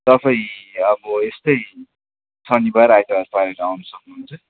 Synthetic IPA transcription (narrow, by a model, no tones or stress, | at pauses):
t̪ʌpaĩʌbʌest̪ʌj | sʌnibaɾajt̪aɾpaɾeɾawnʌsʌknuɦunt͡sʌ